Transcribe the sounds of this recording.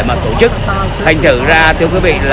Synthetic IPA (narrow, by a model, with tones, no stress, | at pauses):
maː˨˩t̪o˧˩t͡ɕɨ˦˥k̚ | t̪ʰa˨˩jŋ̟t̪ʰɨ˧˩zaː˧t̪ʰɨ˧əwkwi˨˦vḭ˧˨la